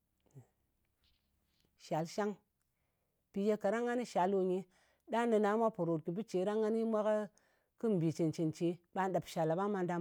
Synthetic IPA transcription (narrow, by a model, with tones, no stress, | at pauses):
ʃa˨lʃa˦ŋ | pi˨je˧ka˨ɾa˦ŋːa˦ni˦ʃa˨˦lo˨ɲi˦ | ɗa˦ndə˧na˦mʷa˦po˨ɾo˨tki˨bi˦t͡ʃe˨˦ɾa˦ŋːa˦ni˦mʷa˦ka˦ | kɨ˦m˨bi˨t͡ʃi˨nt͡ʃi˨nt͡ʃe˨˦ɓa˧nɗa˨pʃa˨la˨ɓa˦ŋma˧nda˦